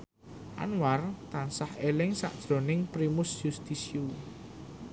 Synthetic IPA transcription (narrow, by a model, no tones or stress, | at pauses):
ʔa̰nwart̪ansahelɪŋsa̰ʔd̥ʒ̥ɾo̤nɪŋpɾimʊsjust̪isiu